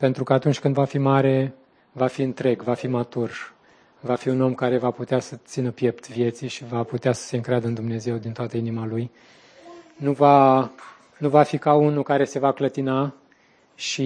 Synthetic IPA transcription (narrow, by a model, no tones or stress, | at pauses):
pe̞nt̪ɾukəat̪unt͡ʃʲkɨnd̪vafimaɾe̞ | vafiɨnt̪ɾe̞ɡvafimat̪ur | vafiuno̞mkaɾe̞vaput̪easət̪sinəpje̞pt̪vje̞t̪siʃivaput̪easə̥se̞ɨŋkɾead̪əɨnd̪umne̞ze̞wd̪int̪oat̪əinimaluj | nuva | nuvafikaunukaɾe̞se̞vaklət̪ina | ʃi